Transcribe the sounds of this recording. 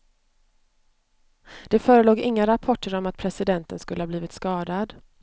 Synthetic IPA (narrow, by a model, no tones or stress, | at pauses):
d̪̥ɛfœːɾəloːɡɪŋːaɾapʰɔʈːəɾɔmat̪̚pʰɾɛsɪd̪ɛnt̪ənskɵləhɑːb̪liːvɪt̪skɑːd̪ad̪